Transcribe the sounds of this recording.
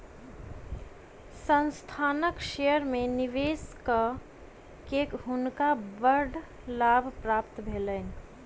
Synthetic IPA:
sə̃nst̪ʰaːnəkʃejəɾmẽniʋeːskə | kekɦʊnkabəɾɖ | laːbʱpɾaːpt̪bʱeːlən

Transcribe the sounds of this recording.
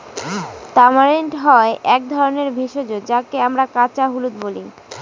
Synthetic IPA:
t̪amaɾeɳʈɦɔeʔɛk̚d̪ʱɔɾoneɾbʱeʃod͡ʑod͡ʑakeamɾakat͡ɕaɦulut̪bolḭ

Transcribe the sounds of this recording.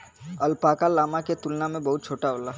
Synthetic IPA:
ɐlpaːkalaːmaket̪ʊlnamẽbɐɦʊt̪̚t͡ʃʰoːʈaoːlaː

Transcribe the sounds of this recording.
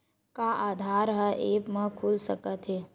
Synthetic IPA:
kaʔaːd̪ʱaːɾɦəʔeːpmə̃kʰuːlsəkət̪ɦeː

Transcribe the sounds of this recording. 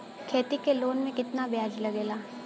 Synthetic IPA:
kʰeːt̪ikeloːnmẽkɪt̪nabɪjaːd͡ʒilɐɡeːlaː

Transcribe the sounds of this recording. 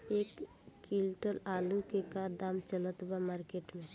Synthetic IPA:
eːkː | ɪlʈəlaːlũkekad̪aːmt͡ʃələt̪bamaːɾkeːʈmẽ

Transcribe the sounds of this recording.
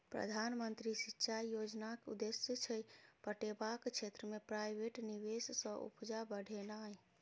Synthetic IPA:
pɾə̰d̪ʱanmənt̪ɾisitːʃʰajjod͡ʒnakeṵd̪esjət͡ʃʰəjpəʈebakt͡ʃʰet̪ɾəmepɾajbʱeʈniβessə̃ʔṵpd͡ʒabəɽ̤ʱenaj

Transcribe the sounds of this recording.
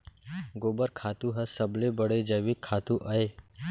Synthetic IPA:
ɡoːbəɾkʰaːt̪ũɦəsɐblebəɽed͡ʒəʋikʰːaːt̪ũʔɐe

